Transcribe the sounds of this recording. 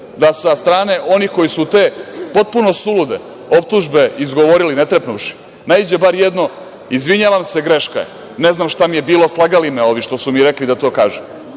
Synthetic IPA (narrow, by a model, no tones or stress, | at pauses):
d̪asast̪ɾaːne̞ʔo̞nixko̞jisut̪e̞ːpo̞t̪̚puno̞sulud̪ḛ | o̞p̚t̪uʒbe̞izɡo̞ʋo̞ɾilinet̪ɾepnuʃi̥ | naid͡ʑebaɾjed̪no̞ | izʋiɲaʋamse̞ɡɾe̞ʃka̰ | neznamʃt̪amije̞biːlo̞slˠaɡalimeo̞ʋiʃt̪o̞sumiɾe̞klid̪at̪o̞ːkaːʒum